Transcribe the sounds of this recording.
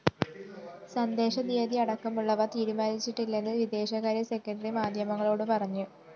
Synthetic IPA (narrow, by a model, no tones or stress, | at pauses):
sɐnd̪e̞ːɕɐd̪iɐd̪iɐɽɐkːɐmuɭːɐʋɐt̪iːɾumaːnit͡ɕːiʈːilːenːɨʋid̪e̞ːɕɐɣaːɾɐse̞kːɐɳɖɐrimaːd̪ʱjɐmɐŋːɐɭo̞ːɽɨpɐrɐɲːu